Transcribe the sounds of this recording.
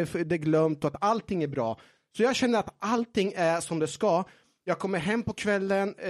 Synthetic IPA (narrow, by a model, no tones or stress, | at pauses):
fd̪ɛæɾɡlœmt̪ɔat̪alt̪ʰɪŋːæɾbɾɑ̰ː | sɔjɑːɡɕɛnːəɾat̪ʔalt̪ɪŋːæʂɔmd̪ɛskɑ | jɑːɡ̚kʰɔmːəɾɦɛmːpɔkʰvɛlːən